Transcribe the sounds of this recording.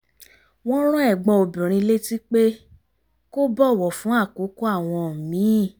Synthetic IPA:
w̃ɔ̃˦ɾ̃ũ˦ɛ˦˨ɡ͡bɔ̃˧o˧bĩ˨ɾ̃ĩ˧le˦ti˦k͡pe˦ | ko˦bɔ˦˨wɔ˨fũ˨˦a˦˨ko˨˦ko˦a˦˨w̃ɔ̃˧˨mĩ˨˦˨

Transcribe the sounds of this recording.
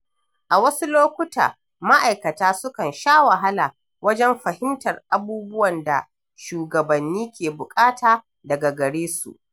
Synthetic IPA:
ʔa˨wɐ˦su˦loː˦kʷʊ˦ta̰ː˨ | ma˦ʔa˨jkɐ˨taː˦sʊ˦kɐ˨nʃaː˦wɐ˨ɦa˦la˨ | wɐ˦d͡ʒɛ˦mɸɐ˨hɪ˦mtɐ˨rʔa˨buː˦bʊ˦wɐ˨nda̰˨ | ʃuː˨ɡɐ˨bɐ˨nːiː˦kʲeː˨bʊ˨kʼaː˦taː˨ | dɐ˨ɡa˨ɡɐ˨ɽeː˦sṵ˨ʔ

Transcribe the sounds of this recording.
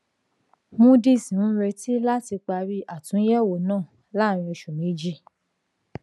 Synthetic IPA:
mũ˦di˦˨sĩ˨ũ˨˦ɾe˧ti˦la˦ti˧k͡pa˧ɾi˦ʔa˦˨tũ˨˦jɛ˦˨wo˨nãː˦˨ | la˦˨ɾ̃ĩ˧ɛ˧ʃu˨mĩ˨˦d͡ʒi˦

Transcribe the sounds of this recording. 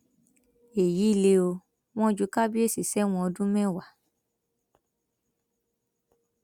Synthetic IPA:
e˨ji˨˦i˦˨le˧o˧ | w̃ɔ̃˦d͡ʒu˨˦ka˦bi˦e˦˨si˨sɛ˦w̃ɔ̃˧ɔ˧dũ˦mɛ̃˦˨wa˨

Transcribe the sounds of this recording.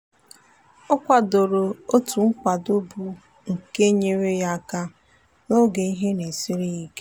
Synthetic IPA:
ɔ˦kʷa˨do˨ɾo˨o˦tu˨ŋ̩˦kʷa˨do˦bu˦ | ŋ̩˨ke˦ɲe˦ɾe˦ja˦a˦˨ka˦ | no˦ɡe˨i˦ɦe˦ne˨si˦ɾi˦i˦ke˦

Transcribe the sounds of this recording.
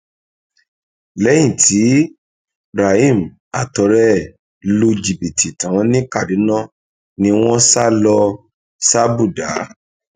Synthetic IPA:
lɛ˨˦j̃ĩ˦˨tʰi˨˦ | ɾa˨i˦˨m˨ | a˨tɔ˨˦ɾɛ˦ | lo˧d͡ʒi˨bi˨tʰi˨tã˨˦nĩ˦ka˦˨di˨˦nã˦ | nĩ˧w̃ɔ̃˦sa˦lɔ˧ | sa˦bu˦˨da˨˦

